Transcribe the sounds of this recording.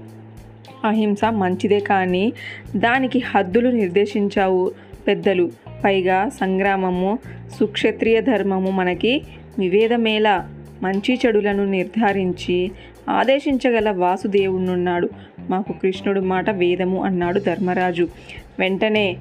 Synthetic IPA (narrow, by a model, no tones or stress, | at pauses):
ɐɦimsɐmɐɲt͡ʃid̪ɛːkaːnid̪aːnikihɐd̪ːuluniɾd̪eːʂiɲt͡ʃaːwu | pɛd̪ːɐlupɐjɡaːsɐŋɡɾaːmɐmusukʂɐt̪ɾijɐd̪ʱɐɾmɐmumɐnɐki | ʋiʋɛːd̪ɐmɛːlɐ | mɐɲt͡ʃit͡ʃɐɽulɐnuniɾd̪ʱaːɾiɲt͡ʃi | a̰ːd̪eːʂiɲt͡ʃɐɡɐlɐʋaːsud̪eːwunːunːaːɽu | maːkukɾiʂɳuɽumaːʈɐʋɛːd̪ɐmuʔɐnːaːɽud̪ʱɐɾmɐɾaːd͡ʒu | ʋeɳʈɐne̞ː